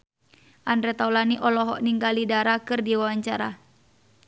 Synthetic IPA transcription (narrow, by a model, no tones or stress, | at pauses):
ʔandɾɛt̪aulaniʔɔlɔɦɔʔniŋɡalidaɾakɨrdiwawaɲt͡ʃaɾa